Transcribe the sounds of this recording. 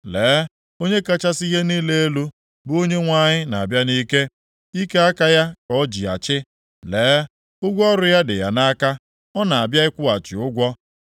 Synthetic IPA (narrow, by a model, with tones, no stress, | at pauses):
leː˨˦ | o˦ɲe˦ka˦t͡ʃa˦si˦ɦe˦ni˦le˦e˦lu˦ | bʊ˨˦o˦ɲe˦ŋʷa˦˨ɲɪ˦na˨a˨bja˦ni˦ke˦ | i˦ke˦a˦ka˦ja˦kɔ˦d͡ʒi˨a̰˨t͡ʃɪ˦ | leː˨˦ | ʊ˦ɡʷɔ˦ɾʊ˦ja˦dɪ̰˨ja̰˨na˦ka˦ | ɔ˦na˨a˨bja˦ɪ˦kʷʊ˦a˨t͡ʃɪ˨ʊ˦ɡʷɔ˦